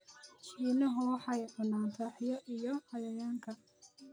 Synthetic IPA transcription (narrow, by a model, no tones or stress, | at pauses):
iːnɐɦɔːħɑjʔʊnaːnt̪ʰaːħjɐʔijɔhɐjɐjaːŋkʰɐ